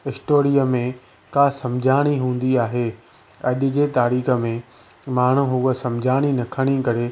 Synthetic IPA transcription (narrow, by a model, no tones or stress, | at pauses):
ɪsʈoːɾijəmẽ | kaːsɐ̃md͡ʑʱaːɽ̃iɦũːn̆d̪iaːɦeː | ɐʄʊ̆d͡ʑeːt̪aːɾiːxə̆mẽ | maːɳ̤ũɦuːəsɐ̃md͡ʑʱaːɽ̃inɐkʰəɽ̃ikɐɾe